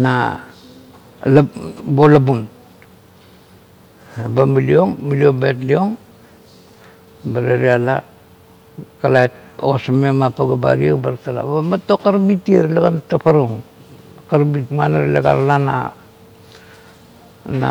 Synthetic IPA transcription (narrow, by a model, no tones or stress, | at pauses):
na | labolabun | bamilio̞ŋmiliobetlio̞ŋ | baɾeɾiala | kalaet̚oasamemapaɡaba̰ɾiebaɾtala̰bamatokaɾbitieɾlaɡantapaɾuŋ | kaɾbitmanaɾlaɡa̰ɾalana̰ | na̰